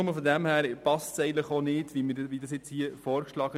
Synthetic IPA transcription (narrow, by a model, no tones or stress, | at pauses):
ʊməfɔd̪æmhæːɾpɑstsɛɪɡən̩tləχonɪdʋimɪʋidɑsjɛt͡shiəfɔːɾkʃlɑːɡə